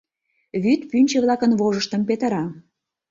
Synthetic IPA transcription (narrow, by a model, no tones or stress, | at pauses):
βyt̪pynʲt͡ɕĕβlɑkənβoʒəʃt̪ə̆mpet̪ə̆ɾɑ